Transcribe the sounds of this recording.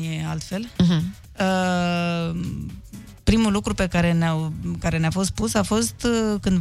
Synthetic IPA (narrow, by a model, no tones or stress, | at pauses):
je̞alt̪fe̞l | ə | pɾimulukɾupe̞kaɾe̞neawkaɾe̞neafo̞st̪̚pusafo̞st̪kɨnd̪